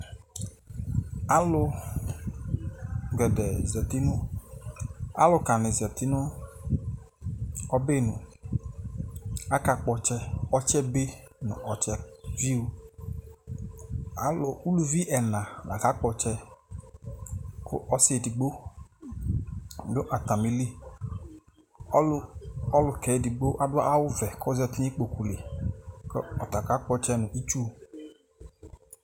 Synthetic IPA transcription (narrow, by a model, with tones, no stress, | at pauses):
a˦lʊ˧ | ɡʷɛ˨dɛ˨zɔ˨ti˦nʊ˦ | a̰˦lʊ˧ka˨nɪ˨zi˨ɔ˨t̪i˦nʊ˦ | ɔ˦be˦˨nʊ˨ | a˦ka˨k͡pɔ˧t͡ʃɛ˦ɔ˦t͡ʃɛ˦be˦nʊ̰˨ʔɔ˨t͡ʃɛ˨vi˦u˨ | a̰˦lʊ˨u˦lu˨vi˦ʔɛ˨nã˨na˨ka˦k͡pɔ˧t͡ʃɛ˧ | kʰʊ̰˦ʔɔ˦se˨di˨ɡ͡bo˦ | dʊ˦ʔa˨ta˨mi˨li˦ | ɔ˦lʊ˨kɛ˨˦di˨ɡ͡bo˦ʔa˦dʊ˦a̰˦ʔa˦wʊ˦vɛ˨kʰɔ˦zɛ˧˦tɲi˦k͡po˨ku˨le˨kɔ˦ɔ˨ta˨ka˨˦k͡pɔ˧t͡ʃɛ˦nʊ˨ʔi˦t͡ʃu˦˨